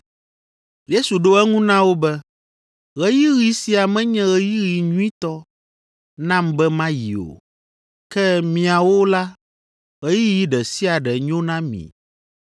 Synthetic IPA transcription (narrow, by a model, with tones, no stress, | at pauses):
je˦su˨ɖo˦ɛ˦ŋũ˦nã˦wo˦bɛ˦ | ɣɛ˦ji˦ɣi˨si˦a˨mɛ̃˦ɲɛ̃˦ɣɛ˦ji˦ɣi˨ɲũ˦ĩ˦t̪ɔ˦ | nã˦mbɛ˦mã˦ji˨o̰˨ | kɛ˦mĩ˨a˨wo˦la˦ | ɣɛ˦ji˦ji˦ɖɛ˨si˦a˨ɖɛ˨ɲõ˦nã˦mḭ̃˨